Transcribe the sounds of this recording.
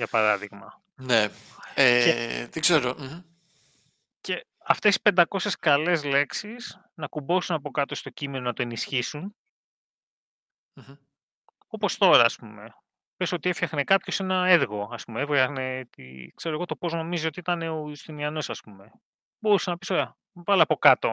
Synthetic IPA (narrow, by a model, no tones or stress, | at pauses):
ʝɐpɐɾɐðiɣmɐ̰ | neet̪ikze̞ɾom̩ | ce̞ | ɐft̪esi̥spend̪ɐko̞se̞skɐle̞zle̞ksis | nɐkubo̞sunɐpo̞kɐt̪o̞st̪o̞cime̞nonɐt̪o̞enisçisun | m̩ | o̞po̞st̪o̞ɾɐːspume̞ | pesot̪iefçɐxnekɐpço̞se̞nɐeɾɣo̞ɐspumeevʝɐxne̞t̪ḭkse̞ɾoɣo̞t̪o̞po̞zno̞mizio̞t̪iit̪ɐne̞oust̪iniɐno̞sɐspume̞ | bo̞ɾusenɐpisoeɐ | vɐlɐpo̞kɐt̪o̞